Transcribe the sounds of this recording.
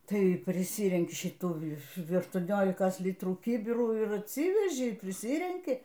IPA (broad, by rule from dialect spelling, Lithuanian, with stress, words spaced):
ˈtɐɪ pʲrʲɪˈsʲiːrʲɛŋʲkʲɪ ʃʲɪˈtuː ɐʃtuɔˈnʲoːlʲɪkɐs ˈlʲɪtruː ˈkʲiːbʲɪruː ɪr ɐtʲˈsʲiːʋʲɛʒʲɪ pʲrʲɪˈsʲiːrʲɛŋʲkʲɪ